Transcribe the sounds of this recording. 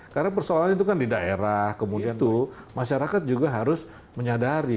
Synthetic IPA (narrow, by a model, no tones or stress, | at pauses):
karnap̬ərsoalanit̪ukandidaʔḛɾahkəmudiant̪u | maʃaɾakat̪̚d͡ʒuɡaɦaɾʊs | məɲadaɾi